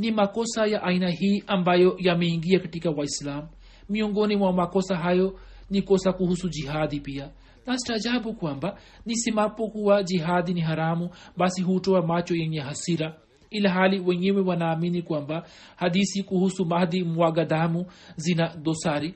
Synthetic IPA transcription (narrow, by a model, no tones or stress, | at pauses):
nimakɔsajaʔainaɦiːʔambajɔjamɛiŋɡiakatikawaislamː | iɔŋɡɔnimwamakɔsaɦajɔ | nikɔsakuhusud͡ʒiɦad̪ipia | nasitad͡ʒabukwamba | nisimapɔkuad͡ʒiɦad̪iniɦaɾamubasiɦutɔamat͡ʃɔjɛɲɛɦasiɾa | ilaɦaliwɛɲɛwɛwanaːminikwamba | had̪isikuhusumahd̪imwaɡad̪amuzinad̪ɔsaɾi